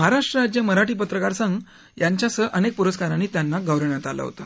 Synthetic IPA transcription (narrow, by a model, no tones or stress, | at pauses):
əɦaɾaʂʈɾəɾad͡ʑjəməɾaʈiːpət̪ɾəkaɾsəŋɡ | jaɲt͡ɕjasəʔənek̚puɾəskaɾaniːt̪janːaɡəʋɾəɳjat̪ala̰ɦo̰t̪a